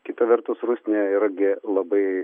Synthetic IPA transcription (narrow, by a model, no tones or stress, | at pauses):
kʲɪt̪ɐʋʲɛrt̪ʊsrusʲnʲeːiːɾɐɡʲɪlˠɐbɐɪ